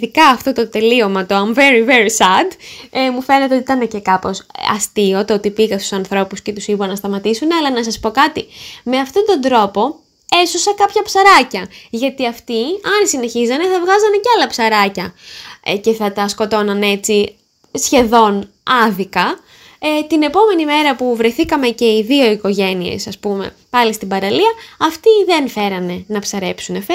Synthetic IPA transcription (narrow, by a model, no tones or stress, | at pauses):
ðikɐːft̪o̞t̪o̞t̪e̞lio̞mɐt̪oɐɱveɾiveɾsɐd̪emufe̞net̪eoit̪ɐnece̞kɐposɐ̰st̪io̞t̪oot̪ipiɣɐst̪u̥sɐnθɾo̞puscet̪usibɐnɐst̪ɐmɐt̪isuneɐlɐnɐs̬ɐspo̞kɐt̪ime̞ɐft̪o̞t̪o̞nd̪ɾo̞po̞ | e̞sosɐkɐpçɐpsɐɾɐcɐʝɐt̪iɐft̪iɐnsine̞çizɐne̞θɐvɣɐzɐnecɐlɐpsɐɾɐcɐ | ce̞θɐt̪ɐsko̞t̪o̞nɐne̞t͡si | sçe̞ðo̞n | ɐðikɐ | t̪ine̞po̞me̞nime̞ɾɐpuvɾe̞θikɐme̞ce̞iðio̞iko̞ʝe̞nie̞̰sɐspume̞̰ | pɐlist̪ibɐɾɐliɐɐft̪iðe̞nfe̞ɾɐne̞nɐpsɐɾe̞psune̞fe